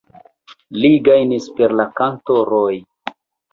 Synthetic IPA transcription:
liɡajnispe̞ɾlakantoɾoj

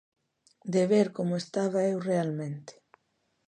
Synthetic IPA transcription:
d̪eβeɾkomoest̪aβaewrealmẽnt̪e̥

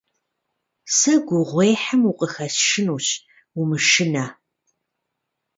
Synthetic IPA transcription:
sɐɡʷʊʁʷeːħəmuqʼəxɐsʃɨnuːɕ | umɨʃɪnɐ

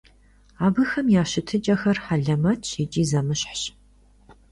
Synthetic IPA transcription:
aːbɨxɐmjaːɕɪtʰɨt͡ʃʼɐxɐrħaɮɐmɐtʰit͡ʃʼiːzɐmɨɕħɕ

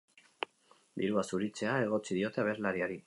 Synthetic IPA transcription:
d̪iɾuasuɾit͡se̞ae̞ɣ̞o̞t͡sið̞io̞t̪e̞aβe̞ɾlaɾiaɾi

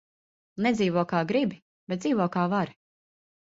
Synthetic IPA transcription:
nɛd̪ziːvɔkaːɡɾibi | b̥ɛt̪̚d̪ziːvɔkaːvaɾ

